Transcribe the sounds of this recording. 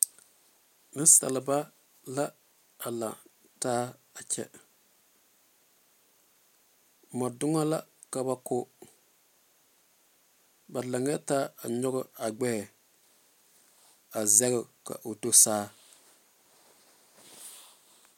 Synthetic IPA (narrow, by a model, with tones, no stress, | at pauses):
nɨ˦sa̰˨lɪ˨ba˦ | la˦ | a˨la̰˨ | taː˦a˨t͡ʃɛ̰˦˨ | ma˨dʊ˦ŋa˦la̰˦ | ka˦ba˦kʊ˦ | ba˨la˨ŋ˦ɛ˦taː˦a˨ɲɔ˦ɡʊ˦a˨ɡ͡bɛ˦˨ | a˨zɛ˦ɣʊ˨ka̰˨ʔo˨to˦saː˦